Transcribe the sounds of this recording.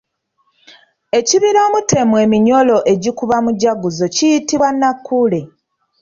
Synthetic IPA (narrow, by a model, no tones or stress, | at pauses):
e̞ciβiɾoːmute̞mwe̞ːmiɲo̞lo̞ʔe̞ɟikuβamuɟaɡuzo̞cijitiβwanːakʰːule̞